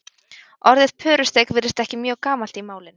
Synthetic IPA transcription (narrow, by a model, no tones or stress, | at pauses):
ɔɾðɪðpʰœːɾʏst̪ejkvɪɾɪst̪ɛhcɪmjœːɣkaːmal̥t̪imaːwlɪn